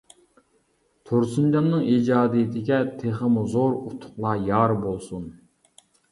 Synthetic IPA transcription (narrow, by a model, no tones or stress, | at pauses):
t̪ʰoɾsund͡ʒɑnnɨŋid͡ʒɑːd̪ijɪt̪ʰɪɡʲɛt̪ʰeχəmuzoɾut̪ʰʊ̥qlˠɑjɑːɾbolˠsun